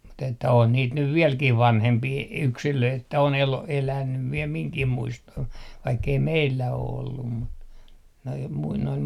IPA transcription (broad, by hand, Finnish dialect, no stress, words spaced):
mut etːæ on niːt nyʋ ʋiɛlkih ʋɑnhempiː yksiløit etːæ on elo elænyʋ ʋiel miŋkih muistoh ʋɑikːei meilːæ o olːum mut noi mui noil